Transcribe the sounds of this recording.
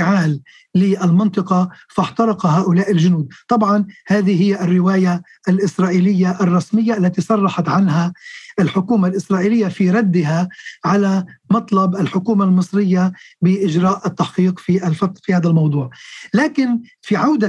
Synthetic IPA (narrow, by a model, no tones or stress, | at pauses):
ʕaːlː | ɪʔalmɪnt̪ˤɨqɑfɑħt̪ɑɾˤɑqɑɦaːʔʊlaːʔɪlʒʊnuːd̪̚t̪ˤɑbʕɑnhaːðiɦɪjːaʔɪrːɪwaːja | ʔalʔɪsɾˤɑːʔiːlɪjːaʔɑrˤːɑsmɪjːaʔalːat̪isˤɑrˤːɑħɑt̪ʕanɦaʔɪlħʊkuːmalʔɪsɾˤɑːʔiːlɪjːafiɾˤad̪ːɪɦaʕalamɑt̪ˤlɑbʔɪlħʊkuːmalmɨsˤɾɪjːabɪʔɪʒɾaːʔɪt̪ːaħqiːqfiʔalfɑt̪fihaːd̪almɑwd̪ˤuːʕlaːkɪn | fiʕawd̪a